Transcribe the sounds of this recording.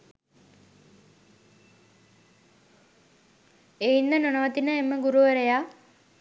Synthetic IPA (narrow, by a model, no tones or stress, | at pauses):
einːənonəʋət̪inəemːəɡuɾuʋəɾeja